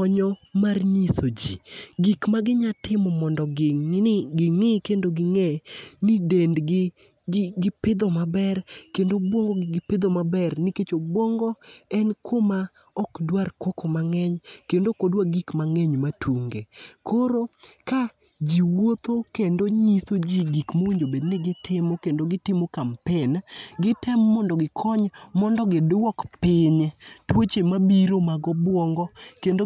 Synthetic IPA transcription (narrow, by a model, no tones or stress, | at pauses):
ɔɲɔmarɲisod͡ʒḭɡikmaɡɪɲatɪmɔmɔndɔɡɪŋɪkendoɡɪŋɛnidendɡɪ | ɡɡɪpɪd̪ɔmabɛrkendobwɔŋɡɔɡɡɪpɪd̪omabɛrniket͡ʃobwɔŋɡɔɛnkʰoma | ɔkdwarkɔkɔmaŋɛɲkendokodwaɡikmaŋɛɲmatʰuŋɡekʰoɾoka | d͡ʒiwot̪okendoɲisod͡ʒiɡikmowiɲd͡ʒobedneɡɪtʰɪmokendoɡɪtɪmokampɪnɡɪtɛmːɔndɔɡɪkʰɔɲmɔndɔɡɪdwɔkpɪɲtwot͡ʃemabiɾomaɡɔbwɔŋɡɔkendo